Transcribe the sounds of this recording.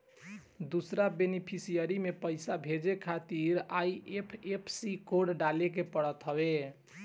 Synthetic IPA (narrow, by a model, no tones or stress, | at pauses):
d̪usɾabenipʰisijəɾimepəɪsabʱed͡ʒekʰat̪iɾajepʰepʰsikoɖɖalek̬epəɽət̪ɦəbe